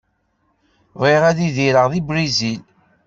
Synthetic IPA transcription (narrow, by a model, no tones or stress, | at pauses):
ðˤeʁæðiðiɾəʁðibɾizil